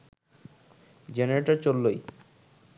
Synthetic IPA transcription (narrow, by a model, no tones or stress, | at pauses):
d͡ʑeneɾeʈaɾt͡ɕolːoj